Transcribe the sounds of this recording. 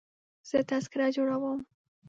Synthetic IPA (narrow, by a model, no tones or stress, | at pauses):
z̥ət̪askɪɾad͡ʒoɽawəm